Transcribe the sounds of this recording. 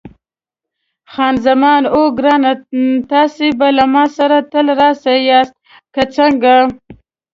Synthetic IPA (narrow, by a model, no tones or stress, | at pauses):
xɑːnzamɑːnoɡɾɑːnat̪ɑːsebalamɑːsaɾat̪əlɾɑsajɑst̪̚ | kat͡saŋɡa